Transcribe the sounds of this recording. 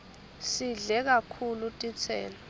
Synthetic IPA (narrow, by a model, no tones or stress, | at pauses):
siɮɛk̬akʰulutʼit͡sʰɛ̰ːla